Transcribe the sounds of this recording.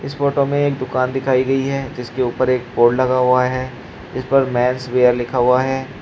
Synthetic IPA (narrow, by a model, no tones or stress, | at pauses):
ɪsfoːʈomẽeːk̚d̪ʊkaːnd̪ɪkʰaːiɡɐiɦɛːd͡ʒɪskeuːpəɾeːk̚poːɖlɐɡaɦʊaɦɛː | d͡ʒɪspɐɾmɛ̃ːnsʋeːjəɾlɪkʰaɦʊaɦɛː